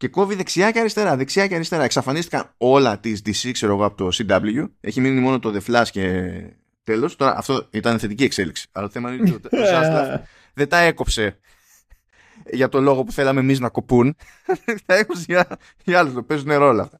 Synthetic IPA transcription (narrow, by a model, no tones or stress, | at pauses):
ce̞ko̞viðe̞ksiɐceɐɾist̪e̞ɾɐðe̞ksiɐceɐɾist̪e̞ɾɐe̞ksɐfɐnist̪ikɐno̞lɐt̪izd̪isikse̞ɾo̞ɣo̞ɐpo̞̥t̪o̞sid̪ɐbluʝueçiminimo̞no̞t̪o̞ðe̞flɐsce̞ | t̪e̞lo̞st̪o̞ɾɐ̰ʔɐ̰ft̪o̞it̪ɐneθe̞t̪icie̞kse̞liksi̥ɐ̰lɐt̪oθemɐnint̪ot̪sasɐ | ðed̪ɐe̞ko̞pse̞ | ʝɐt̪o̞lo̞ɣo̞pu̥θe̞lɐme̞miznɐko̞pun | t̪ɐekopseʝ | ɐlust̪ope̞zuneɾoolɐːft̪ɐ̥